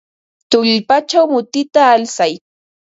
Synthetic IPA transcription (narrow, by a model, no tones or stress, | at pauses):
t̪ʊʎpat͡ʃawmʊt̪ɪt̪aːlsaj